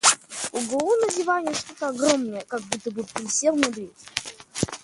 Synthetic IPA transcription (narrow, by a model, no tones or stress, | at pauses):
ʊɡolˠunəzʲɪvanʲɪjəʂt̪ot̪əɐɡromnəjəkaɡ̚but̪ːəbɨpʲɾʲɪsʲelˠmʲʊd̪ɾʲet̪ʲ